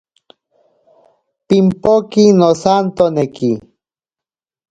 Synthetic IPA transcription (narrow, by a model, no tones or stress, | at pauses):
pimpokinosant̪oneki